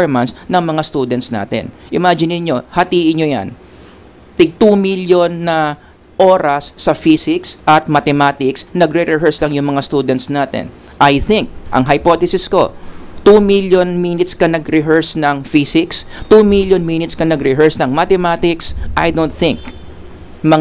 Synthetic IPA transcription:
ɹmɐnsnɐŋmɐŋast̪uːd̪ɛnt̪sna̰ːt̪ɛ̰nʔɪmad͡ʒɪnɪɲɲo̞hɐt̪iːʔɪɲɲoja̰n | t̪ɪɡ̚t̪umiljonːɐ | ʔo̞ːɾɐsːɐfiːsɪksʔɐt̪̚mɐt̪ɛmaːt̪ɪksnɐɡɾɛɾɛɦɛɹslɐŋjʊŋmɐŋast̪uːd̪ɛnt̪̚snaːt̪ɛ̰n | ʔɐjθɪŋk̚ʔɐ̰ŋɦɐjpot̪ɛsɪsko̞̰t̪umiljonminɪt̪skɐnɐɡɾɪɦɛɹsnɐŋfisɪkst̪umiljonminɪt̪skɐnɐɡɾɛɦɛɹsnɐŋmat̪ɛmat̪ɪksʔajd̪ont̪θɪ̃ŋk | mɐ

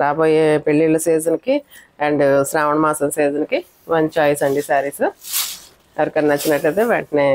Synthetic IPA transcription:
ɾaːboːjeːpeɭːilːɐsiːd͡ʒɐnkieɳɖsɾaːʋɐɳɐmaːsɐnsiːd͡ʒɐnki | ʋɐnt͡ʃaːjsɐɳɖisaːɾisɨ | ɐʋɐɾkɐnnɐt͡ʃːinɐʈːɐt̪eːʋɐɳʈneː

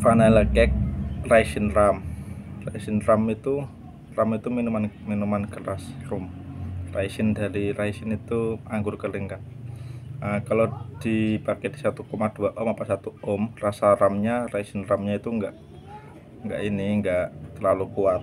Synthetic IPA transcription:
fanaləkɛk̚raisinramraisɪnramit̪u | ramit̪uminumanminumanɡ̥əɾasrʊmraisɪndaɾiɾaisɪnit̪uaŋɡʊrkəliŋɡan | əkalod̥ipakɛdisat̪ukomad̥uaʔɔmapaʔsat̪uɔmrasaramɲaraisɪnramɲait̪uŋɡaʔ | ŋɡaʔiniŋɡaʔt̪ərlalukuat̪̚

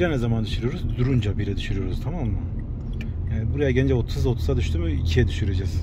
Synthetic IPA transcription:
d͡ʒanɛzamand̪yʃɯɾɯjo̞ɾuzd̪uɾund͡ʒabiɾɛd̪yʃɯɾɯjo̞ɾuz̥t̪ʰamamːɯ | jaːnibuɾajaɟɛnd͡ʒɛot̪ʰusot̪ʰu̥sad̪yʃt̪ʰumɯicʰijɛd̪yʃyɾed͡ʒɛz̥

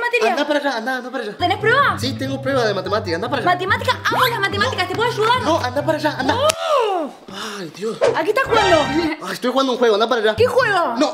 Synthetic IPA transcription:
mat̪iɾnad̪apaɾaʒaːnd̪aːnd̪apaɾaʒaðenepɾeβasit̪eŋɡopɾweβaðemat̪emat̪ikand̪apaɾaʒamat̪emat̪ikaaoʎamat̪emat̪ikat̪epoaʃulanoʔand̪apaɾaʒaʔand̪a | pajðjosakit̪akweloast̪oexwand̪ouŋxweɣoand̪apaɾaʒak̪ixweɣono

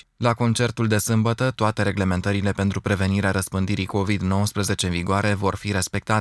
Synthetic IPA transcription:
lako̞nt͡ʃe̞rt̪uld̪e̞sɨmbət̪ət̪oat̪e̞ɾe̞ɡle̞me̞nt̪əɾile̞pe̞nt̪ɾupɾe̞ve̞niɾeaɾəspɨnd̪iɾiko̞vid̪no̞wəspɾəze̞t͡ʃeɨnviɡoaɾe̞vo̞rfiɾe̞spe̞k̚t̪at̪e

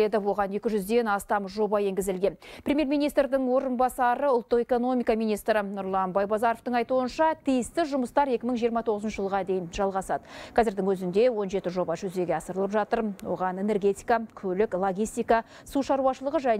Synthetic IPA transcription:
ed̪ɪwo̞ʁɑne̞kʲɪʒʏzd̪e̞nɑst̪ɑmʒo̞bɑje̞ŋɡʲɪzɪlɡʲe̞npʰɾʲemje̞ɾmʲijnijst̪ɾd̪ɪŋwo̞ɾənbɑsɑɾəʊlˠt̪ːəqe̞ko̞no̞mʲijkɑmijnijst̪ɾɪnʊɾlˠɑnbɑjbɑzɑɾo̞ft̪əɴɑjt̪uənʃɑt̪ʰijɪst̪ɪʒʊməst̪ɑɾe̞kʲɪməŋʒijəɾmɑt̪ʰo̞ʁəzənʃəʒəlˠʁɑd̪e̞jɪnʒɑlˠʁɑsɑd̪əqʰɑzɪɾd̪ɪŋwɵzɪnd̪e̞wo̞nʒe̞t̪ɪʒo̞bɑʒɵzd̪e̞ɡʲeɑsəɾəlˠəpʒɑt̪əɾwo̞̰ʁɑne̞nerɡʲe̞t̪ijkɑkʲʰɵlɪklˠo̞ɡʲijst̪ijkɑ | suʃɑɾuɑʃəlˠəʁəʒæ

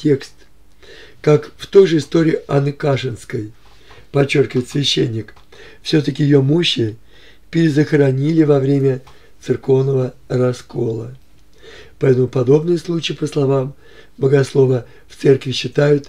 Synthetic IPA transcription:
tʲe̞kst̪ | kakft̪o̞jʐɨɪst̪o̞ɾʲɪɪʔanːɨkaʂɨnskəj | pɐt͡ɕːo̞rkʲɪvəjɪt̪svʲɪɕːenʲːɪk | fsʲɵt̪əkʲɪjɪjo̞muɕːɪ | pʲɪɾʲɪzəxɾɐnʲilʲɪvɐvɾʲemʲə | t̪sɨrko̞vnəvə | rɐsko̞lˠə | pɐɛt̪əmʊpɐd̪o̞bnɨjəslˠut͡ɕɪːpəslˠɐvam | bəɡɐslˠo̞və | ft̪sɛrkvʲɪɕːɪt̪ajʊt̪

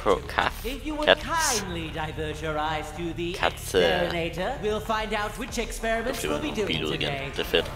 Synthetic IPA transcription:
okʰa̰ɪfjɨwəkʰãɪ̃nlidaɪvɜ˞ʃə˞aɪz̥tʰɨðikʰæ̰təɨneɪɾə˞wilˠfãɪ̃ndaʊt̚wɪt͡ʃɨkspɛɹɨmɨ̃nɪlˠbiduilṵ̃ɡə̰̃e | d̥əfɪt

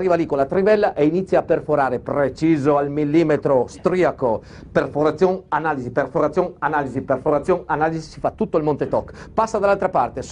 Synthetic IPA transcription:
riːvalikolat̪ɾivɛlːaʔeinit̪sːjaːpːerfoɾaːɾepɾet͡ʃiːzoalmilːiːmet̪ɾost̪ɾiako | perfoɾat̪sjoŋanaːliziperfoɾat̪sjoŋanaːliziperfoɾat̪sːjoŋanaːlizisifat̪ːut̪ːoilmont̪et̪ɔkːpasːad̪alːalt̪ɾapart̪es

